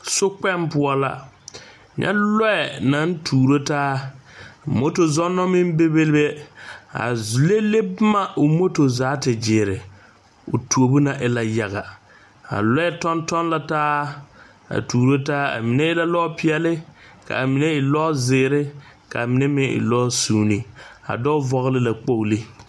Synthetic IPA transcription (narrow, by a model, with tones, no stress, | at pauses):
sʊ˦k͡pɛ˦mpʊ˦ɔ˦la̰˦ | ɲɛ̰˦lɔ˦ɛ˨na˨˦n˦tʰuː˨ɾo˦taː˦˨ | mo˦to˨zɔ˦nːɔ˦mɪ˦m˦be˦be˦lbe˦a̰˨zle˦le˦bma˦ʊ˨mo˦to˨zaː˨˦tɪ˨d͡ʒɪ˨ɾɪ˨ | ʊ̰˨tu˨o˨bu˦na˨ʔɪ˨la˨ja˨ɣa˨ | a̰˨lɔ˦ɛ˦tɔ˦ntɔ˦nla˨taː˦ | a̰˨tuː˨ɾo˦taː˦a̰˨mi˨nɛ˦ɪ˦la˦lɔ˦pɪ˦ɛ˦lɪ˦ka̰˨a˨mi˨nɛ˦ɪ˨lɔ˦zɪː˨ɾɪ˦ | ka˨a˨mi˨nɛ˦mɪ˦ʔɪ̰˨lɔː˦suː˦ni˨a̰˨dɔ˦vɔ˦ɣlɪ˦la˨k͡po˦˨li˦